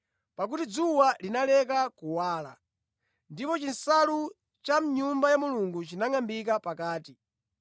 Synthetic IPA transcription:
pak̬utid͡zuwalinalɛkakuwaːla̰ | ndipɔt͡ʃinsalu | t͡ʃam̩ɲumbajamuluŋɡut͡ʃinaŋambik̬apakaːti

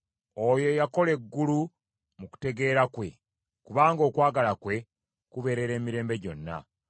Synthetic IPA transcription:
ojo̞jako̞le̞ɡːulu | muku̥te̞ɡe̞ːɾakwe̞ | kuβaːŋɡo̞ːkwaːɡalakwe̞ | kuβe̞ɾe̞ɾe̞ːmiɾe̞ːmbe̞ɟo̞̰nːa̰

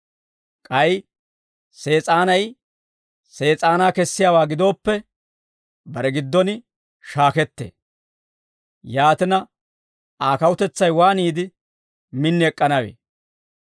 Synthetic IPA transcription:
kʼɐj | se̞ːt͡sʼaːnɐj | se̞ːt͡sʼaːnaːkɛsːɪjaːwaːɡɪd̪o̞ːpːɛ | bɐɾɛɡɪd̪ːɔnɪ | ʃaːkɛt̪ːḛː | jaːt̪ɪnɐ | aːkɐwʊt̪ɛt͡sːɐjwaːniːd̪ɪ | mɪnːɪɛkʼːɐnɐwḛː

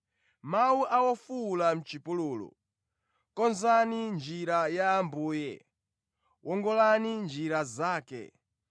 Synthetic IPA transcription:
mawuʔawɔfulam̩t͡ʃipuluːlɔ̰ | kɔnzanind͡ʒiɾajaːmbuːjɛ̰ | wʔɔŋɡɔlanind͡ʒiɾazaːkɛ̰

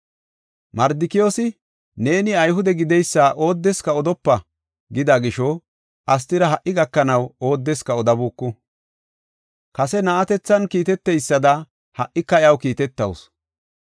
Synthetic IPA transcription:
mɐɾd̪ɪkɪjoːsɪ | ne̞ːnɪɐjɦʊd̪ɛɡɪd̪ɛjsːaːʔo̞ːd̪ːɛskɐɔd̪ɔpːɐ | ɡɪd̪ɐɡɪʃɔ | ʔɐs̬t̪ɪɾɐɦɐʔːɪɡɐkːɐnɐwoːd̪ːɛskɐɔd̪ɐbuːkːʊ | kɐsɛnɐʔɐt̪ɛt͡sːɐnkiːt̪ɛt̪ːɛjsːɐd̪ɐ | hɐʔːɪkːɐjɐwkiːt̪ɛt̪ːɐ̰ws

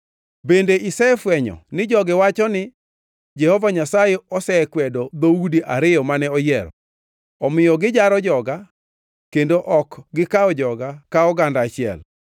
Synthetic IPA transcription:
bendeʔɪsɛfwɛɲɔ̰nɪd͡ʒɔɡɪwat͡ʃɔnɪ | d͡ʒɛhɔvaɲasajeɔsɛkwɛdɔd̪oudiʔaɾɪjɔmanɛɔjɛɾɔ̰ | ɔmɪjɔɡɪd͡ʒaɾɔd͡ʒɔɡa | kendoʔɔkɡɪkaɔd͡ʒɔɡakaɔɡandaːt͡ʃɪɛ̰l

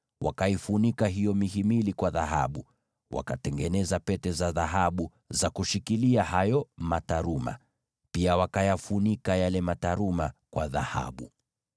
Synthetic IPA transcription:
wʔa̰kaifunikaɦijɔmiɦimilikwaðaɦa̰ɓu | wʔa̰katɛŋɡɛnɛzapɛtɛzaðaɦaɓu | zakuʃikiliahajɔmataɾuma̰ | piawakajafunikajalɛmataɾumakwaðaha̰ɓu

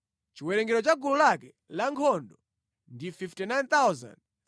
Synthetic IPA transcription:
t͡ʃiwɛɾɛŋɡɛɾɔt͡ʃaɡululakɛ | laŋkʰɔndɔ | ndififtɛnajnt̪awza̰nd

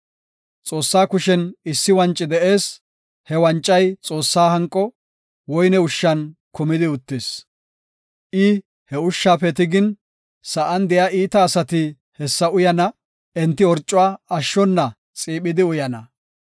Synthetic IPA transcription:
t͡sʼo̞ːsːaːkʊʃɛnɪsːɪwɐnt͡ʃʼːɪd̪ɛʔe̞ːs | hɛwɐnt͡ʃʼːɐjt͡sʼo̞ːsːaːɦɐŋkʼːɔ | wɔjnɛʊʃːɐnkʊmɪd̪ɪʊt̪ːɪs | ʔɪ | hɛʊʃːaːfɛt̪ɪɡɪn | sɐʔɐnd̪ɛjaːʔiːt̪ɐːsɐt̪ɪ | hɛsːɐʊjɐnɐ | ɛnt̪ːɪɔɾt͡ʃʼːʊwaːɐʃːɔnːɐ | t͡sʼiːɓɪd̪ɪʊjɐnɐ

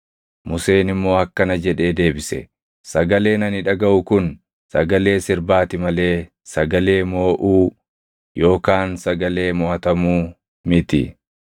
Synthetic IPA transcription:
mʊse̞ːnɪmːo̞ːɐkːɐnɐd͡ʒɛᶑe̞ːd̪e̞ːbɪsɛ̰ | sɐɡɐle̞ːnɐnɪᶑɐɡɐʔʊkʊn | sɐɡɐle̞ːsɪɾbaːt̪ɪmɐle̞ː | sɐɡɐle̞ːmo̞ːʔuː | jo̞ːkaːnsɐɡɐle̞ːmɔɐt̪ɐmuː | mɪt̪ɪ̰

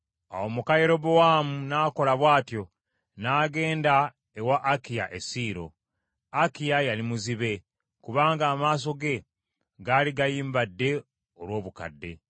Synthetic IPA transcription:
a̰omukajeɾo̞bowamunaːko̞laβwaːtjo̞ | naːɡe̞ːnda | ewaʔːkija̰ʔesiːɾo̞̰ | akijajalimuziβe̞ | kuβaːŋɡaːmaːs̬o̞ɡe̞ | ɡaliɡajiːmbadːe̞ | olwoːβuka̰dːe̞̰

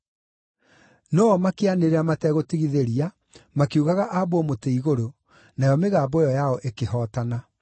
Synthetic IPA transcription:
nɔɔmakeaneɾeamatɛɣotiɣiðeɾia | makeuɣaɣaʔaβoɔmoteiɣoɾo | najɔmeɣaːbojɔjaɔʔekehɔːtana

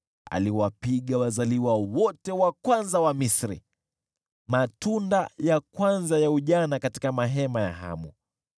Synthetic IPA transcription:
a̰liwapiɠawazaliwawɔtɛwakwanzawamisɾḭ | matundajakwanzajauʄanakati̥kamaɦɛmaja̰ɦa̰mu

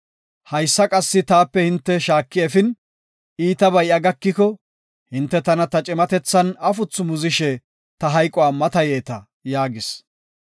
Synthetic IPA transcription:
hɐjsːɐkʼɐsːɪt̪aːpːɛhɪnt̪ːɛʃaːkːɪɛfɪn | iːt̪ɐbɐjʔɐɡɐkːɪkɔ | hɪnt̪ːɛt̪ɐnɐt̪ɐt͡ʃʼɛmɐt̪ɛt͡sːɐnɐfʊt͡sːʊmʊzɪʃɛ | t̪ɐɦɐjkʼʊwaːmɐt̪ɐjeːt̪ɐ | jaːɡɪs

